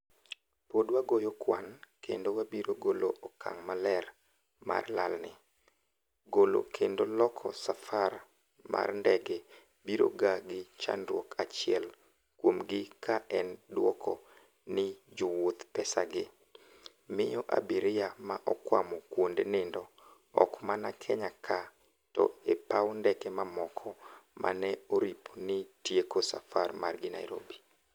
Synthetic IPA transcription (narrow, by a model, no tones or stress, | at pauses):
podwaɡojɔkwankḛndowabiɾoɡoloʔɔkʰa̰ŋmalɛr | ma̰rla̰lnɪ | ɡolo̰kʰendolɔkʰɔ̰safar | ma̰rndɛɡe | biɾo̰ɡaɡɪt͡ʃa̰nɾwɔkʰat͡ʃɪɛl | kwomɡɪkʰaʔɛndwɔkʰɔ | nɪd͡ʒowot̪pɛsaɡɪ | mɪjɔʔa̰biɾɪjamaʔɔkwa̰mɔkwondenɪndɔ | ɔ̰kmanakʰɛɲakʰa | tɔ̰epaɔndɛkɛmamɔkʰɔmʔa̰nɛoɾipʰonɪtjekosafarmarɡɪna̰iɾo̰bi